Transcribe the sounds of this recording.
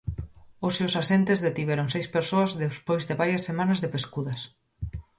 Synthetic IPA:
osewsasent̪ezðet̪iβeɾoŋsejspeɾsoazðespojzðeβaɾjɐsːemanazðepeskuðɐs

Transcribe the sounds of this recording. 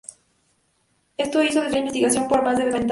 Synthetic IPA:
est̪ois̬oðezaimbest̪iɣasjo̞mpoɾmazðeeβent̪

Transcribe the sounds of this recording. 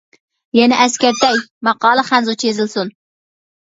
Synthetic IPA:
jɛnɪʔɛskʲæɾt̪ɛjmɑqɑːlˠəχænzut͡ʃʰezɪlsun

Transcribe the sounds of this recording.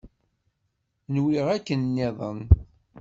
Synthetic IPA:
nwiʁækːənnːiðˤə̰n

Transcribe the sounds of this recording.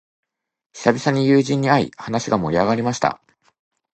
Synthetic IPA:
çi̥sabʲisaɲ̟ijɯːʑĩɲ̟ːiaḭhanaɕiɡamo̞̰ɾʲiaɡaɾʲimaɕi̥t̪a̰

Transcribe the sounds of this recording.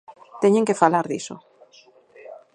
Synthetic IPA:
t̪eɲẽŋkefalaɾðḭso̰

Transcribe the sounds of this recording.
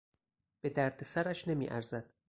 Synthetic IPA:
b̥e̞d̪æɾd̪esæɾæʃne̞mḭːʔæ̰ɾzæd̪̥

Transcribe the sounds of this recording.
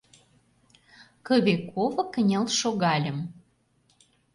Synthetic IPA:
kə̆βekʰovɤ̆kənʲə̆lʃoɣɑlʲə̆m

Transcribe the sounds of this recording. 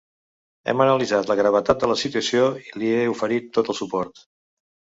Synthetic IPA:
ɛ̰mənəlizat̪ləɣɾəβət̪at̪̚d̪ələsit̪uəsjoiliɛufəɾit̪ːot̪əlˠsupɔɾt̪

